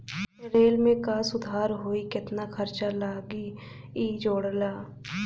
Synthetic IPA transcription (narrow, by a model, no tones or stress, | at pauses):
ɾeːlmẽkaːsʊd̪ʱaːɾɦoːikɪt̪nakʰɐɾt͡ʃalaːɡi | iːd͡ʒoːɽlaː